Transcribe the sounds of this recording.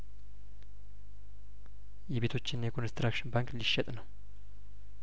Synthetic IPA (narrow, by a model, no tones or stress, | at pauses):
jɛβe̞t̪ʰo̞t͡ʃːɪnjɛkʰo̞nst̪ɾakʃɪnbaŋkliʃːɛt̪ʼnəw